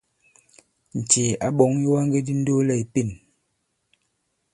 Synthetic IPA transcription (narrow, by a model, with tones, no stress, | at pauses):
n̩˨t͡ʃe˨a˨˦ɓɔ˨˦ŋji˦wa˦ŋɡe˦di˦n̩˦do˦lɛ˦˨i˨pi˦˨n